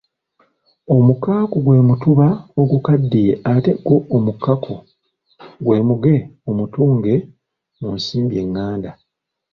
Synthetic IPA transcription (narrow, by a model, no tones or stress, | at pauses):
o̞mukaːkoɡwe̞ːmutuβaoɡukadːijeate̞ɡo̞ʔomukːakʰo | ɡwe̞ːmuɡe̞omutuːŋɡe̞ | munsiːmbje̞ŋːaːnda